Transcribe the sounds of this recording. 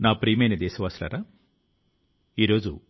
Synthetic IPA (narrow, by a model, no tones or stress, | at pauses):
naːpɾiːmɐjnɐd̪eːsɐʋaːsla̰ːɾa | iːɾo̞ːd͡ʒṵ